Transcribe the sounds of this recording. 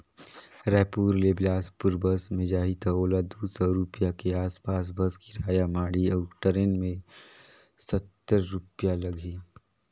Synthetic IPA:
ɾɛːpuːɾleblaːspʊɾbəsmẽd͡ʒaːɦit̪aoːlad̪uːsɔɾupjakeaːspaːs̬bəskiɾaːjamaːɽiɔːɾʈəɾeːnmẽ | sət̪ːəɾːʊpjalɐɡʱi

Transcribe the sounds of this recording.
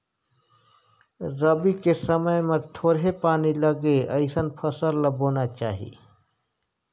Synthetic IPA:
ɾəbikesəməjmet̪ʰoːɾɦepaːniləɡeəɪsənpʰəsəlləbonat͡ʃaːɦḭ

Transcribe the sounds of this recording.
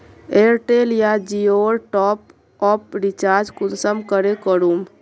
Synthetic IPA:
eɾʈelijad͡ʒioɾʈɔp | ɔpɾit͡ʃaɾd͡ʒkunsəmkəɾekəɾum

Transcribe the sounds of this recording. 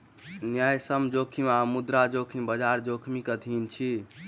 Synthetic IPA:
njajsəmd͡ʒokʰimamud̪ɾad͡ʒokʰimbəd͡ʒaɾd͡ʒokʰmikət̪ʰint͡ʃʰi

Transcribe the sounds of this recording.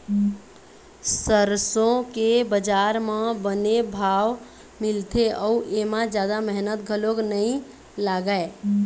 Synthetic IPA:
səɾsõkebəd͡ʒaɾmẽbənebʱaʋ | milt̪ʰeʔəuʔemãd͡ʒjad̪aməɦnət̪ɡʱəloɡnəĩ | laɡae

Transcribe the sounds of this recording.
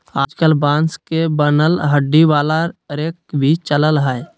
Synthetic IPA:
aːd͡ʒkəlbãːnskebənəlɦəɖːiʋaːlaɾek̚bʱit͡ʃələlɦəe

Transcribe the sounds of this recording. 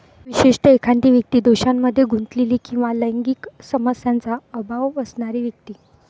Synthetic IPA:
ʋiɕiʂʈəekʰant̪iːʋjək̚t̪iːd̪oɕamːəd̪ʱːjeɡʱunt̪leliːkĩw̃ʋaləjŋɡiːksəməsjant͡saəbʱaʋəsɳaɾiːʋjək̚t̪iː

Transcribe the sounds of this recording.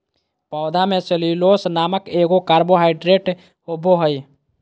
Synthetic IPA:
pɔːd̪ʱamẽt͡ʃəliloːsnaːməkeːɡokaːɾboɦaːɪɖɾeːʈ | hobʱoɦəj

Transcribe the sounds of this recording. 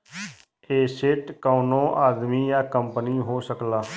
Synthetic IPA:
eːsɪʈkaːnõːʔaːd̪miːjaːkəmpəniːɦoːsəklaː

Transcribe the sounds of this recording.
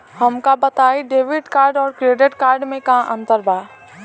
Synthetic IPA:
hɐmkabɐt̪aːiɖeːʋɪɖkaːɾɖɔːɾkɾeːɖɪʈkaːɾɖmẽkaãʔɐ̃nt̪əɾbaː

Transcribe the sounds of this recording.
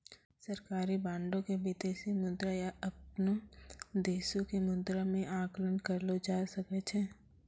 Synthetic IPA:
sɐɾkaːɾibãːɳɖõkebɪd̪eːsimʊ̃nd̪ɾajaʔɐpnod̪eːsõkemʊ̃nt̪ɾamẽʔãːklənkɐɾlod͡ʒaːsɐkɛt͡ʃʰɛː

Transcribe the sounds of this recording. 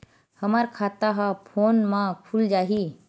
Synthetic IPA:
həmaɾkʰaːt̪aɦapʰoːnmãpʰuld͡ʒaːɦi

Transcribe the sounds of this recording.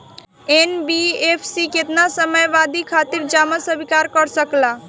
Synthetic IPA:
eːnbiːeːpʰsikɪt̪nasəməjʋaːd̪ikʰaːt̪ɪɾd͡ʒaːməsəbʱɪkaːɾkəɾsəklaː

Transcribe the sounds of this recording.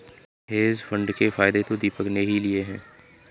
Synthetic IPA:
ɦeːzfʰə̃ɳɖkefaːɪd̪et̪od̪iːpəkneɦilɪeɦɛ̃ː

